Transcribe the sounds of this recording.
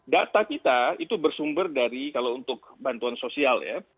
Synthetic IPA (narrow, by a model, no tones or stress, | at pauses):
dat̪akit̪ait̪ubərsumbərdaɾikalaunt̪ʊk̚bant̪uansosialja̰